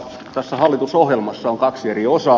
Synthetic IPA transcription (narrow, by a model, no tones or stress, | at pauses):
t̪æsːæhɑlːit̪usohjelmɑsːɑoŋkɑksieriosɑ